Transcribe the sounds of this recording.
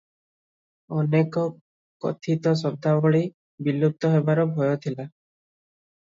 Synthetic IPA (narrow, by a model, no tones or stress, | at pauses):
ɔnekɔ | kɔ̰t̪ʰit̪ɔsɔb̚d̪ʱabɔɭi | bilːup̚t̪ɔɦebaɾɔbʱɔjɔt̪ʰila